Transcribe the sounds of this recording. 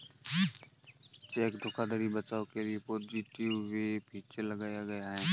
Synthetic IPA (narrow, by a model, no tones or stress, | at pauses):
t͡ʃeːkɖʱʊkad̪ʱəɾibət͡ʃaːokeliepoːd͡ʒiʈɪʋːepʰiːt͡ʃelɐɡaːjaɡɐjaɦɛː